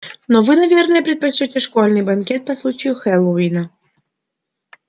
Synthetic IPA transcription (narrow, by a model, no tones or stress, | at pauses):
nɔvɨnɐvʲernəjəpɾʲɪt̪̚pɐt͡ɕːutʲɪʂkolʲnɨjbɐnkʲet̪̚pɐslˠut͡ɕɪjʊxɛlˠowinɐ